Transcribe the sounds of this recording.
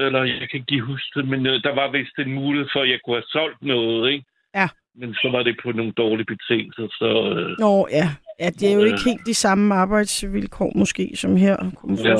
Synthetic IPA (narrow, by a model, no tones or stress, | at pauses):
elɐjɑɪkʰæɡɡ̥ḭɦusd̥ʰemend̥ɑ̈ʋɑ̈ʋe̝sd̥enmuːleð̩ˠfɒjɑ̈ɪkʰuhæsɒ̽l̰d̥nɔ̽ːð̩ˠeɡ̥ | jæ | mensɒ̽ʋɑ̈ɾ̥e̝pʰɒ̽no̝ːn̩d̥ɒːlib̥e̝t͡sʰe̝ŋ̰l̩sɐsɒ̽øɔjæjæd̥eæɐjo̝e̝ɡ̥he̝̰ːld̥isɑ̈məɑ̈ːb̥ɑ̈ɪ̰d̥sʋilkʰɒ̰ːmɔ̽sɡ̥e̝̰ːsɒ̽mɦeɐ̰kʰɒmf